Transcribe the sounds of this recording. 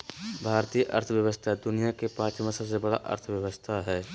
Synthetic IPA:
bʱaːɾt̪iːjʔɐ̰ɾt̪ʰəʋjəʋəst̪ʰaɦɛd̪ʊnijakepãːt͡ʃmãsəbs̬ebɐɽa̰ʔɐ̰ɾt̪ʰʋjəʋəst̪ʰaɦɛː

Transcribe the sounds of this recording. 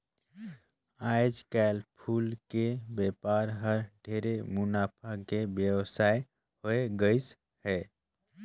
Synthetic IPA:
ajd͡ʒkaɪlpʰulkebepaɾɦəɾɖʱeɾemunapʰakebjəwsaj | hoeɡəjs | hɛ

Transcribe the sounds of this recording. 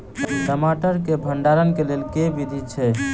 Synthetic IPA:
ʈəmaʈəɾkebʱəɳɖaɾənkelelkebid̪ʱit͡ʃʰɛ

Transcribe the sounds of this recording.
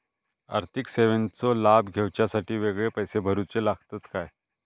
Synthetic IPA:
a̰ɾt̪ʰikseʋənt͡sɔlabɡʱewt͡ɕjasaʈiːʋeɡɭepəjsebʱəɾut͡selaɡʱt̪ət̪kaj

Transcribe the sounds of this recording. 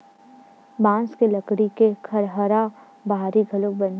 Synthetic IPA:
bãːnskeləkɽikekʰɐɾɦəɾa | baːɾiɡʱɐlokbɐn

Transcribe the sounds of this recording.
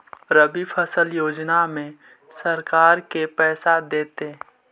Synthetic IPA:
ɾəbipʰəsəljoːd͡ʒnamẽ | səɾkaːɾkepɛːsad̪eːt̪e

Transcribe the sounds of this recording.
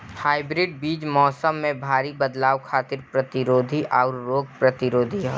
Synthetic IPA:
haːɪbɾɪɖ̚biːd͡ʒmɔːsəmːẽbʱaːɾibɐd̪laːʋkʰaːt̪ɪɾpɾɐt̪ɪɾoːd̪ʱiʔʔɔːɾːoːɡ̚pɾɐt̪ɪɾoːd̪ʱiɦɛ

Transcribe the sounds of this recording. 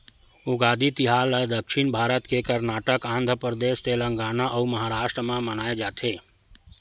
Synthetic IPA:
ʊɡaːd̪it̪iɦaːləd̪əkʃinbʱaːɾət̪kekəɾnaːʈəkãːnd̪ʱɾəpɾəd̪eːʃt̪elə̃ŋɡaːnaʔəuməɦaɾaːʃʈɾəmãmənaːed͡ʒaːt̪ʰe

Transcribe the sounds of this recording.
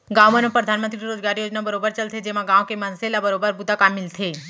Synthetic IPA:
ɡãwmənõpɾəd̪ʱaːnmə̃nt̪ɾiɾoːd͡ʒɡaːɾijoːd͡ʒnabəɾobəɾt͡ʃəlt̪ʰed͡ʒemãɡãːʋokemənselabəɾobəɾbud̪ʱakamːɪlt̪ʰe

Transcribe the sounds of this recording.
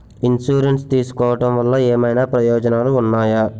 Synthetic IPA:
insuːɾeɳʈst̪iːsu̥kɔːʋɐʈɐmʋɐlːɐeːmɐjnaːpɾɐjɔːd͡ʒɐnaːluːnːaːja

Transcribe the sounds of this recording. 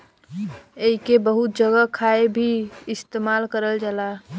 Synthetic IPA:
eɦikebəɦut̪̚d͡ʒəɡəkʰaebʱiɪst̪emalkəɾəld͡ʒala

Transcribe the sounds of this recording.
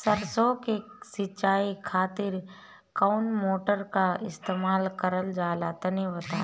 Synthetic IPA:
səɾsokesɪt͡ʃaːikʰaːt̪ɪɾ | kaʊnmoːʈəɾkaɪst̪eːmaːlkəɾəld͡ʒaːlat̪ɐniʋət̪aː

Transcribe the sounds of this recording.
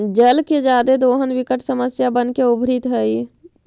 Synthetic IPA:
d͡ʒəlked͡ʒad̪ed̪oɦənbikəʈsəməsjabənkeubʱɾit̪ɦəj

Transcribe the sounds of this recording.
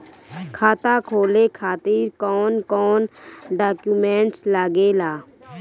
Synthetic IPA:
kʰaːt̪akʰoːlekʰaːt̪iːɾkɔːnkɔːnɖaːkjumẽːɳʈslaːɡelaː

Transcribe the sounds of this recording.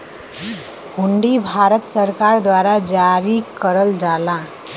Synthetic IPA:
huɳɖibʱaɾət̪səɾkaɾd̪waɾad͡zaɾikːəɾəld͡zala

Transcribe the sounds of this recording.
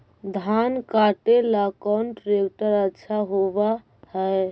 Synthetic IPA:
d̪ʱankaʈelakanʈɾekʈəɾətːʃʰaɦoba | həj

